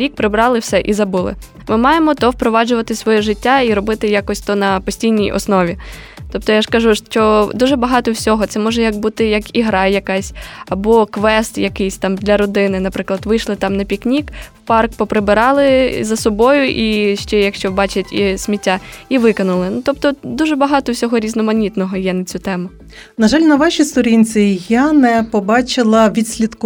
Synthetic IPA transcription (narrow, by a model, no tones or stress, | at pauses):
ɾʲik̚pɾɪbɾɑlˠɪwsɛʔizɐbulˠɪ̰ | mɪmɑjemɔt̪ɔwpɾɔʋɑd͡ʒʊʋɐt̪ɪsʋɔjɛʒɪtʲːaiɾɔbɪt̪ɪjakɔsʲt̪ɔnɐpɔsʲtʲijnʲijʔɔ̰snɔʋʲi | t̪ɔp̚t̪ɔjaʐkɐʒuʃt͡ʃɔd̪uʒɛbɐɦɑt̪ɔwsʲɔɦɔt̪sɛmɔʒɛjɐkbut̪ɪjɐkiɦɾɑjɐkɑsʲɐbɔkʋɛst̪jɐkɪjsʲt̪ɑmd̪lʲɐɾɔd̪ɪnɪnɐpɾɪklˠɐd̪ʋɪjʃlˠɪt̪ɑmnɐpʲiknʲikwpɑrkpɔpɾɪbɪɾɑlˠɪzɐsɔbɔjʊʔiʃt͡ʃɛjɐkʃt͡ʃɔbɑt͡ʃɪtʲisʲmʲitʲːaiʋɪkɐnʊlˠɪnut̪ɔp̚t̪ɔd̪uʒɛbɐɦɑt̪ɔwsʲɔɦɔɾʲiznɔmɐnʲit̪nɔɦɔjɛnɐt͡sʲut̪ɛmʊ | nɐʒɑlʲnɐʋɑʃist̪ɔɾʲinʲt͡sʲijanɛpɔbɑt͡ʃɪlˠɐʋʲid̪ʲsʲlʲid̪kʊ